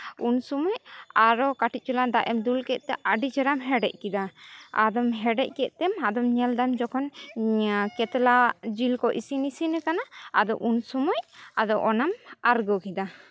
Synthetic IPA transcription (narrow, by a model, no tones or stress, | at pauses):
unsumɔcaɾɔkaʈic̪̚ˀt͡ʃuland̪aʔɛmd̪ulkɛt̪̚t̪ɛʔaɖid͡ʒɛɾamɦɛɖɛ̰c̚kid̪aa̰d̪ɔmɦɛɖɛc̚kɛʔ̪̚t̪ɛmad̪ɔmɲɛld̪amd͡ʒɔkʰɔn | kɛt̪lad͡ʒilkɔʔisinisinɛkanaːd̪ɔʔunsumɔɲad̪ɔʔɔnamaɾɡɔkid̪a